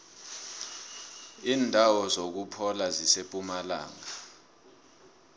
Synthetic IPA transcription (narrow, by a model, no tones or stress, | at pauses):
iːndʱawɔzok̬upʰɔlazisepʼumala̰ːŋa